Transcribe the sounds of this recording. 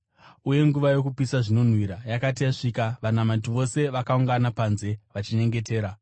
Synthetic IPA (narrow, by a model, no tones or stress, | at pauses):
uje̞ŋɡuʋajo̞kupisaʐino̞n̤wiɾajakatijaʂikaʋanamatiʋo̞se̞ʋakauŋɡanapanze̞ʋat͡ʃine̞ŋɡe̞te̞ːɾa